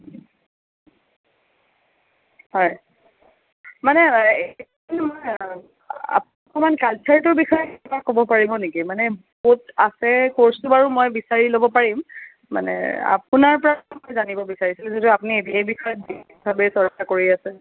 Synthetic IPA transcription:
hɔj | manɛet | nmoj | a̰p | kɔmankalt͡ʃʰaɹtʊɹbixɔjɔkɛbakobɔpaɹibɔnekimanɛbotasɛkoɹsubaɹumojbisaɹilobɔpaɹim | ma̰nɛ̰a̰punaɹpɔɹamojzanibɔbisaɹisilzetuapʊniediajbixɔjɔt̚dik̚bʱabɛsɔɹkakoɹiasɛ

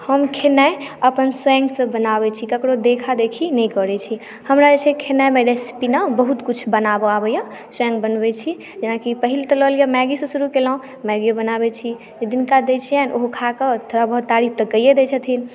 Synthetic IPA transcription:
həmkʰenaeəpənswɛ̃ŋɡsə̃bənabɛt͡ʃʰikəkɾod̪ekʰad̪ekʰinɛĩkɔɾɛt͡ʃʰi | həmɾad͡ʒet͡ʃʰɛkʰenajmeɾespinabəɦut̪kut͡ʃʰbənabɔabəjã | swɛ̃ŋɡbənbɛt͡ʃʰi | d͡ʒenakipəɦilt̪ɔləlijamɛɡisẽsuɾukelɔõ | mɛɡijobənabɛt͡ʃʰi | d͡ʒed̪inkad̪et͡ʃʰijɛnʔoɦokʰakət̪ʰoɾabəɦut̪ːaɾip̚ʰt̪əkəjed̪et͡ʃʰət̪ʰin

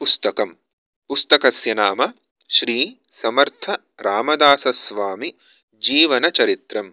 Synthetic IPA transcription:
pust̪ɐkɐm | pust̪ɐkɐsjɐnaːmɐ | ʃɾiː | sɐmɐɾt̪ʰɐ | ɾaːmɐd̪aːsɐsʋaːmi | d͡ʒiːʋɐnɐt͡ʃɐɾit̪ɾɐm

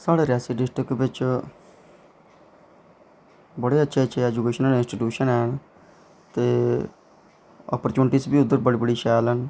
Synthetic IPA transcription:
saːɽeːɾɛːsiɖɪsʈəkbɪt͡ʃ | bəɽeːətːʃʰeːəʃʰeːɛːd͡ʒukeːʃənəlɪ̃nsʈiʈjuːʃənɛːɳ | t̪eː | ɔ̰ːpəɾt͡ʃuːnʈiːsbiːʊd̪ːəɾbəɽiːbəɽiːʃɛːlən

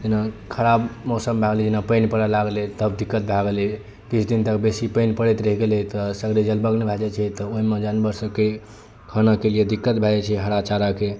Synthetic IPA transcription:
d͡ʒenakʰəɾabmɔsəmbʱaɡlid͡ʒenapəjnpəɽɛlaɡlɛt̪əbd̪ikːət̪̚bʱaɡeli | kit͡ʃʰd̪int̪əkbesipəjnpəɽɛt̪ɾəɦiɡelɛt̪ɔsəɡɾid͡ʒəlbəɡnɛbʱad͡ʒɛt͡ʃʰɛt̪ɔoɦimed͡ʒanbəɾsəke | kʰənakelied̪ikːət̪bʱɛd͡ʒɛt͡ʃʰɛɦəɾat͡ʃaɾake

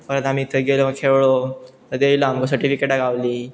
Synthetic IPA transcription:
fəɾət̪amiːt̪ʰəɡeləməɡkʰeʋɭot̪əɾd̪ejlaamkəs̬əɾʈifikeʈaɡaʋliː

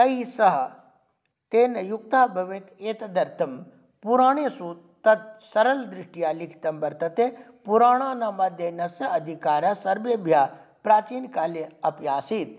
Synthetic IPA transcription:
kɐisɐɦɐ | t̪eːnɐjuk̚t̪aːbʱɐʋeːt̪eːt̪ɐd̪ɐɾt̪ʰɐm | puɾaːɳ̃esu | t̪ɐt̪̚sɐɾɐld̪ɾɪʂʈijaːlikʰi̥t̪ɐmbɐɾt̪ɐt̪e | puɾaːɽ̃aːnɐmɐd̪ʱjenɐsjɐɐd̪ʱikaːɾasɐɾbebʱjaːpɾaːt͡ʃiːnkaːleɐpjaːsit̪̚

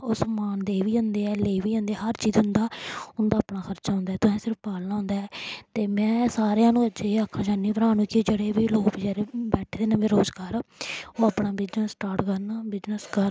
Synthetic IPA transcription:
ʊsmaːnd̪eːʋiːʊ̃nd̪eːɛːleːʋiːõnd̪eːɛɦəɾt͡ʃiːzɦʊnd̪aːʊnd̪aːpnaːxʰəɾt͡ʃaːɦʊ̃nd̪aːɛːt̪ʊsɛ̃ːsɪɾəfpaːlnaːɦʊ̃nd̪aːɛːt̪eːmɛ̃ːsaːɾejãːnũːəd͡ʒeːakʰːãːd͡ʒaːnːiːpɾaːnũːkid͡ʒeɽeːbiːloːkbiːd͡ʒeɾebɛːʈʰːd̪eːnãːʋeɾoːzɡaːɾoːaːpɳaːbɪznəsʈaːɾʈkəɾnaːbɪznəskəɾ

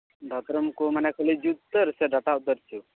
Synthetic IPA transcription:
ɖʱɔt̪ɾəmkomanɛkʰəlid͡ʒut̪ːəɾseɖaʈaut̪əɾt͡ʃʰu

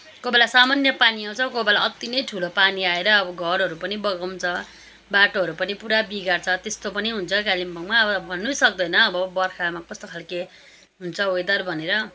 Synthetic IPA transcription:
kobalasamanjʌpaniaw̃t͡sʰʌkobalaʌt̪ːinʌjʈʰulopaniaeɾʌːbʌɡʱʌɾɦʌɾupʌnibʌɡʌmt͡sʰʌ | baʈoɦʌɾupʌnipuɾabiɡart͡sʰʌt̪est̪opʌniɦunt͡sʰʌkalimbʌŋmaʌbʌbʱʌnːusʌkd̪ʌjnʌːbʌbʌrkʰamakʌst̪okʰalke | ɦunt͡sʰʌojd̪ʌrbʱʌneɾʌ

